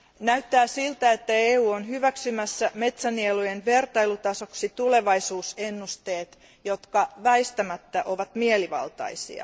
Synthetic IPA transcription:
næyt̪ːæːsilt̪æet̪ːæeːuːonɦyʋæksymæsːæmet̪sænielujenʋe̞rt̪ɑilut̪ɑsoksit̪uleʋɑisuːsenːust̪e̞ːt̪ | jot̪kɑʋæist̪æmæt̪ːæʔo̞ʋɑt̪mieliʋɑ̰lt̪ɑ̰isḭɑ̰

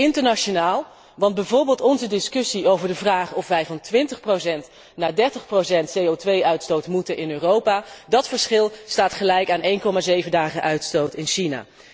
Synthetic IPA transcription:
ɪntəɹnaʃonaːlˠ | ʋɑnd̚bɛjvʊːɹbeːlˠtɔnzədɪskɵsiowvəɹdəvraːχɔfʋɛjvɑntʋɪntəχprowsɛnt | naːdɛɹtəχprosɛntsejowtʋejʔœɥtstowtmutənʔɪnøːrowpaːdɑtfəɹsχɪlˠstaːtχəlɛjkaːnʔejnkɔmaːzejvəndaːχəʔœɥtstowtɪnʃina̰ː

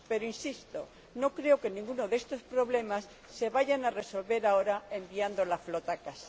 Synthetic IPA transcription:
pe̞ɾoinsist̪o̞̰ | no̞kɾe̞oke̞nĩŋɡuno̞ðe̞st̪o̞spɾo̞βle̞masː | e̞βaʝanare̞so̞lβe̞ɾao̞ɾae̞mbiand̪olaflo̞t̪akasa

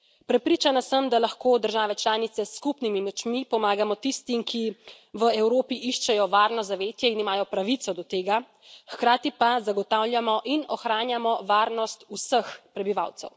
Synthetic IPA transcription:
pɾɛpɾiːt͡ʃanasəmd̪alaxkoːd̪əɾʒaːʋɛt͡ʃlaːnit̪sɛskupnimimɛt͡ʃmipɔmaːɡamɔt̪ist̪imkʰi | ʋəɛwɾoːpiʔiʃt͡ʃɛjɔʋaːɾnɔzaʋeːt̪jɛinimaːjɔpɾaʋit̪sɔd̪ɔt̪eːɡa | xkɾaːt̪ipazaɡɔt̪awljamɔʔinɔxɾaːnjamɔʋaːɾnɔst̪usəxpɾɛbiʋa̰wt̪sɛ̰w

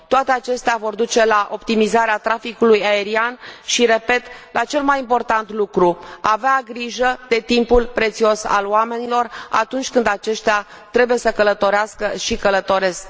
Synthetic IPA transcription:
t̪oat̪eat͡ʃe̞st̪eavo̞rd̪ut͡ʃe̞laʔo̞pt̪imizaɾeat̪ɾafikulujae̞ɾianʃiɾe̞pe̞t̪lat͡ʃe̞lmajimpo̞rt̪ant̪lukɾuaveaɡɾiʒəd̪e̞t̪impulpɾe̞t̪sio̞sa̰loame̞nilo̞ra̰t̪unt͡ʃʲkɨnd̪at͡ʃe̞ʃt̪ea | t̪ɾe̞buje̞səkələt̪o̞ɾeaskəʃikələt̪o̞ɾe̞sk

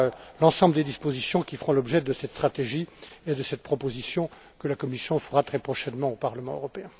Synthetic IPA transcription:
lɑ̃sɑ̃bləd̪ed̪ispozisjɔ̃kʲifəʁɔ̃lɔbʒɛd̪əsɛt̪st̪χat̪eʒied̪əsɛt̪̚pχɔpozisjɔ̃ | kəlakɔmisjɔ̃fəʁat̪χɛpχɔʃɛnmɑ̃opaʁləmɑ̃ø̰ʁɔpeɛ̃

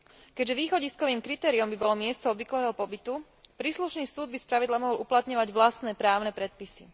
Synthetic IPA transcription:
kɛɟʒɛʋiːxɔɟiskɔʋiːmkɾit̪ɛːɾiɔmbibɔlɔmɪɛst̪ɔɔbʋiklɛːɦɔpɔbit̪u | pɾiːsluʃniːsuːd̪̚bispɾaʋid̪lamɔɦɔluplat̪ɲɔʋaɟʋlast̪nɛːpɾaːʊnɛpɾɛt̪̚pisi

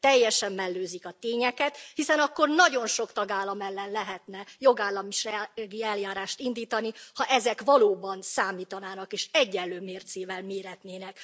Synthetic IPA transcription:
t̪ɛjːɛʃɛmːɛlːøːzikɒt̪eːɲɛkɛt̪hisɛnɒkːo̞rnɒɟo̞nʃo̞kt̪ɒɡaːlːɒmɛlːɛnlɛɦɛt̪nɛjo̞ɡaːlːɒmiʃɛɡiɛljaːɾaːʃt̪ind̪iːt̪ɒnihɒʔɛzɛkʋɒloːbɒnsaːmiːt̪ɒnaːnɒkeːʃɛɟːɛlːøːmeːrt̪seːvɛlmeːɾɛt̪neːnɛk

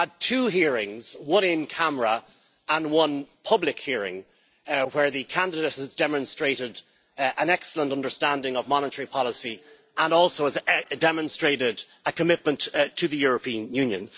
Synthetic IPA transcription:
əd̚tʰʉːɦiɹɪ̃ŋz̥wʌ̃nɪ̃nkʰaməɹə | ʔə̃nwʌ̃npʰʌblɪkhiəɹɪ̰̃ŋ | wə˞ðɨkʰãndɪdeɪthəzdɛmə̃nstɹ̥eɪɾɪd | ʔə̃nɛksələ̃ntʌ̃ndə˞stãndɪ̃ŋəvmɑnəɾəɹipʰɑlˠəsi | ʔə̃nɔlˠsoʊəzdɛmə̃nstɹ̥eɪɾɪɾ | əkʰəmɪt̚mə̃nttʰəðɨjʊɹəpʰĩə̃njʉ̃njə̰̃n

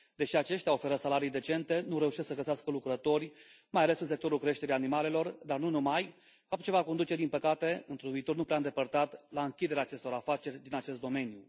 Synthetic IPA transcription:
d̪e̞ʃiat͡ʃe̞ʃt̪ʲao̞fe̞ɾəsalaɾijd̪e̞t͡ʃe̞nt̪e̞nuɾe̞uʃiessəɡəseaskəlukɾət̪o̞rʲ | majale̞sɨns̬e̞k̚t̪o̞ɾulkɾe̞ʃt̪e̞ɾijanimale̞lo̞rd̪arnunumaj | fap̚t̪t͡ʃe̞vako̞nd̪ut͡ʃe̞d̪inpəkat̪e̞ɨnt̪ɾuvit̪o̞rnupɾeaɨnd̪epərt̪at̪laɨŋkʲid̪e̞ɾeaːt͡ʃe̞st̪o̞ɾafat͡ʃe̞rʲd̪inat͡ʃe̞st̪d̪o̞me̞nju

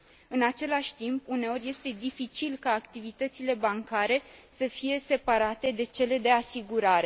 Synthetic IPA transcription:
ɨnat͡ʃe̞laʃʲt̪impune̞o̞ɾʲje̞st̪e̞d̪ifit͡ʃilkaːkt̪ivit̪ət̪sile̞baŋkaɾe̞səfije̞se̞paɾat̪e̞d̪e̞t͡ʃe̞le̞d̪e̞asiɡuɾaɾe̞

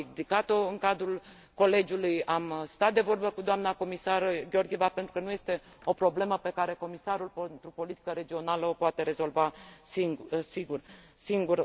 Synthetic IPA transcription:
d̪ikat̪o̞ɨŋkad̪ɾul | ko̞le̞d͡ʒulujamst̪at̪̚d̪e̞vo̞rbəkud̪oamnako̞misarɡʲeo̞rɡʲievape̞nt̪ɾukənuje̞st̪e̞ | o̞pɾo̞ble̞məpe̞kaɾe̞ko̞misaɾulpent̪ɾupo̞lit̪i̥kəɾe̞d͡ʒio̞naləopoat̪e̞ɾe̞zo̞lvasisiɡur | siŋɡur

